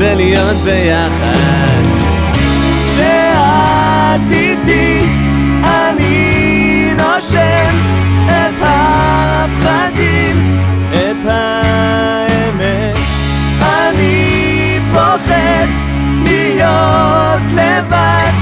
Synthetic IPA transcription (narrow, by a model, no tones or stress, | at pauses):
velijot̪bejaχa | d̪ | ʃe | a | t̪it̪i | a | ni | noʃɛm | et̪ha | pχad̪i | m | et̪ha | eme | t | ani | boχet̪ | lijo | t̪leva | d̪